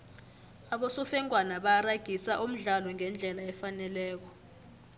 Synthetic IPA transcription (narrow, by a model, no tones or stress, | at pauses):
aɓosufɛŋʱʼwanaɓaraɡ̥ʱisaʔum̩ɮalɔŋɛnd͡ɮʱɛlaɛfanɛlɛːk̬ɔ